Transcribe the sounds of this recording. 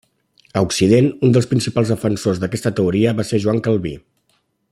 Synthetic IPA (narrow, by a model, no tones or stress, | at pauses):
əuksiðenund̪əlˠspɾinsipalˠzðəfənsozðəkɛst̪ət̪əuɾiəβaseʒuwaŋkəlˠβḭ